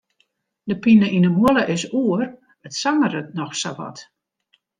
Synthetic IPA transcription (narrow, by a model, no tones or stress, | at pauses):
dəpinəʔinəmuələʔɪsuər | ətsaŋərətnɔxsa̰ʋɔ̰t